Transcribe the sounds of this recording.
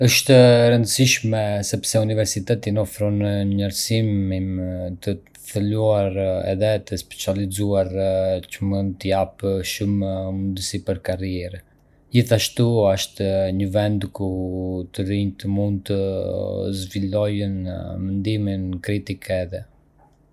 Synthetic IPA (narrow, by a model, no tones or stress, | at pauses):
əʃt̪əɾənd̪əsiʃmɛsɛpsɛunivɛɾsit̪ɛt̪inɔfɾɔnəɲəɾsimimt̪ə | θəluaɾɛ̰ðɛt̪əspɛ̥t͡sializuaɾcəmund̪t̪əjapʃuməmund̪əsipəɾkaɾiɛɾ | d͡ʑiθaʃt̪uaʃt̪ɲəvɛnd̪kut̪əɾiɲt̪əmund̪̚t̪ə | zvilɔjənmənd̪iminkɾit̪ikʰɛðɛ